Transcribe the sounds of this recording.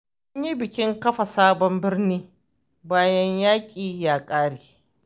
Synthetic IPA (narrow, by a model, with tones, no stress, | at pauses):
mʊ˦ɲji˦bɪ˨kʲɪ˦ŋkɐ˦ɸa˨saː˦bɔ˦mbɪ˦rniː˦ | baː˦jɐ˦ɲjaː˦kʲʼiː˨jaː˨kʼaː˦ɽiː˨